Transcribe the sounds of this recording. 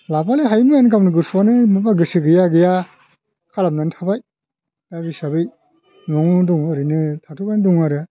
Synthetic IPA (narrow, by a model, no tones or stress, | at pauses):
lapaleɦajmɯjankamnɯɡɯsanɯmɯbaɡɯsɯɡɯjaɡɯja | kʰalam̚nantʰabaj | daɡisabɯj | mɔŋdɔŋɯɾɯnɯtʰatʰupandɔŋaɾɯ